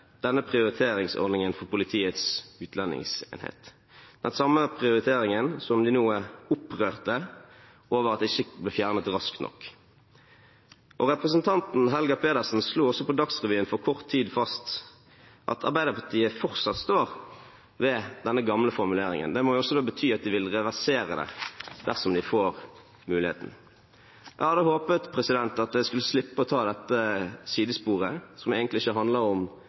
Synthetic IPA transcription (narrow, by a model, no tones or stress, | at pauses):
d̪̥ɛnːəpʰʁɪʊɾɪt̪ʰeːɾɪŋsɔ̰ʁd̪nɪŋənfɔʁpʊlɪt̪ʰiːət̪sʉːt̪ʰlɛnːɪ̰ŋsḛːnhḛːt̪ | d̪̥ɛnsɑmːəpʰʁɪʊɾɪt̪ʰeːɾɪŋənsɔmd̪ɪnuːəʊpʁøːʁt̪ə | oːʋəʁɑt̪d̪ɪçːəblɛːfjæːʁnət̪ʁɑskt̪nɔ̰kː | ʔɔʁɛpʁəsənt̪ʰɑnt̪n̩ɦɛlɡɑpʰeːd̪əʁsn̩sluːɔsːɔpɔd̪ɑksʁɛʋyːənfɔʁkʰɔʁt̪ʰːiːd̪fɑst̪ | ʔɑ̰t̪ʰɑ̰ɾbæɪd̪əpʰɑʈ̪ʰiːəfɔʁsɑt̪st̪oːʁ | ʋɛd̪ɛnːəɡɑmləfɔɾmʉleːɾɪ̰ŋə̰nd̪ɛmɔjʊɔsːɔd̪oːbət̪ʰyːɑt̪̚d̪ɪʋɪlʁɛʋæʁseːʁəd̪ɛ̰d̪̥æʁsɔmd̪ɪfoːʁ | mʉːlɪhḛːt̪n̩ | ʔhɑd̪əhoːpət̪pʰʁɛsɪd̪ɛnt̪ɑt̪̚d̪ɛɪskʉlːəslɪpːəɔt̪ʰɑːd̪ɛt̪ːəsiːd̪əspuːʁəsɔmæɡənt̪lɪɪçəɦɑnd̪ləɾɔm